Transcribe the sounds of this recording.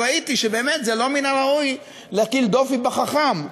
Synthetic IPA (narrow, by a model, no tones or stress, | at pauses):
ait̪iʃebe̞ːmet̪zelo̞minaʁauj | leakild̪o̞fibeχaχam